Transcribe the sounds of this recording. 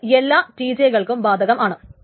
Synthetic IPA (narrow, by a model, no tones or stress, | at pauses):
elːaːʈiːd͡ʑejɣɐɭkumbaːd̪ʱɐɣɐmʔaːɳɨ